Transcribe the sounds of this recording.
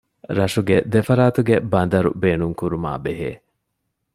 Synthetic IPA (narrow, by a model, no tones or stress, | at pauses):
ɾɐʂuɡed̪efɐɾaːt̪uɡebɐnd̪ɐɾṵbeːnuŋkuɾuma̰ːbeɦḛː